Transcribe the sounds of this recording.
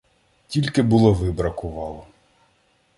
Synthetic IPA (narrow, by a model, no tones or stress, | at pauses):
tʲilʲkɪbʊlˠɔʋɪbɾɐkʊʋɑlˠɔ